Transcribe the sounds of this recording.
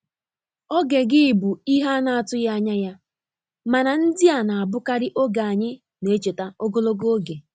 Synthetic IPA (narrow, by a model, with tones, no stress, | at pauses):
ɔ˦ɡe˨ɡɪ˦ɪ˨bu˨i˦ɦa˦na˨a˨tʊ˦ja˦ɲa˦ja˦ | ma˨na˨n̩˦dɪ˦a˨na˨a˨bʊ˦ka˦ɾɪ˦ʔo˦ɡa˨a˨ɲɪ˦ | ne˨˦t͡ʃe˨ta˦o˦ɡo˦lo˦ɡo˦o˦ɡe˨